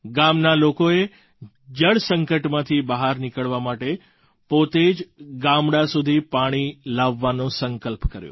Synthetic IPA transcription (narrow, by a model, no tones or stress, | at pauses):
ɡamnalokoe | d͡ʒəɽsəŋkəʈmãt̪ʰibəɦaɾnikəɭʋamaʈe | pot̪ed͡ʒɡamɽasud̪ʱipaɽ̃ilaʋːanõsəŋkəlpkəɾjo̰